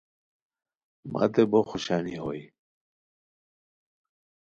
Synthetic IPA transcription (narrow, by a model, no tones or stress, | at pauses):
mʔa̰t̪eboxuɕaːniɦoi